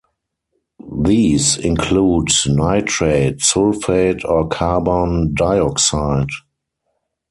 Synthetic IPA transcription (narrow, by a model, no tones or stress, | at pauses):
ðiːsɪ̃nkʰluːdnaɪtʰɹeɪdsʊlfeɪdɔkʰabɔ̃ndaɪɔksaɪd